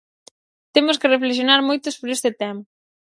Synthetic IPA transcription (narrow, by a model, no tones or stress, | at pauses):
t̪emʊskɪrefleʃ̬jonaɾmojt̪ʊsβɾest̪ɪt̪ɛma